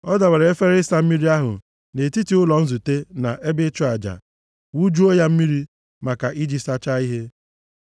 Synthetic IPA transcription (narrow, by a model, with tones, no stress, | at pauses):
ɔ˦da˨we˨ɾe˨e˦fe˦ɾsa˦m̩˦mi˦ɾi˦a˦ɦʊ̰˨ | ne˨ti˦ti˨ʊ˦lɔ˨n̩˦zu˨te˦na̰˨ʔe˦be˦t͡ʃʊ˦a˨d͡ʒa̰˨ | wu˦d͡ʒu˦o˦ja˦m̩˦mi˦ɾi˦ | ma˨ka˨ʔi˦d͡ʒi˦sa˦t͡ʃa˦i˦ɦe˦